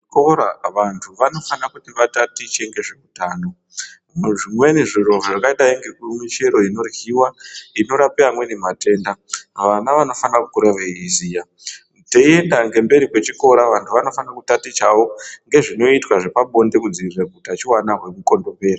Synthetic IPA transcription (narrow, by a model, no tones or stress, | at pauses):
koɾaʋantʰuʋano̞fanakutiʋatatit͡ʃeŋɡe̞ʐekutaːno̞ | ʐimwe̞neʐiroʐakaiɗaiŋɡe̞kumwit͡ʃe̞ɾo̞ino̞rɣiwaino̞ɾapiamwe̞nemate̞ːndaʋanaʋano̞fanakukuɾaʋeizija | teie̞ndaŋɡe̞mbe̞ɾikwe̞t͡ʃiko̞ɾaʋantʰuʋano̞fanakutatit͡ʃawo̞ŋɡe̞ʐino̞itwaʐe̞paɓo̞ndekud͡ziiraɡ̚ʱutat͡ʃiwanaɦwe̞kuko̞ndo̞pe̞ːra